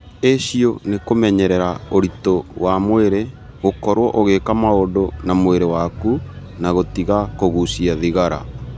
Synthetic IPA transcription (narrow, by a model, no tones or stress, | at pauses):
eʃionekomɛɲɛɾɛɾaoɾitowamoeɾe | ɣokɔɾwɔʔoɣekamaodonamweɾewaku | naɣotiɣakoɣusiaðiɣaɾa̰